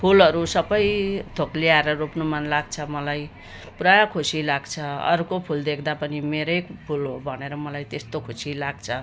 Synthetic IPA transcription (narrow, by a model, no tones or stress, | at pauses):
pʰulʌɾusʌbʌjt̪ʰokliaeɾʌropnomanlaɡ̚t͡sʰʌmʌlaj | prajʌkʰusilaɡt͡sʰʌʌ̰ɾkopʰuld̪ekʰd̪apʌnimeɾʌjpʰulɦobʱʌneɾʌmʌlajt̪est̪okʰusilaɡt͡sʰʌ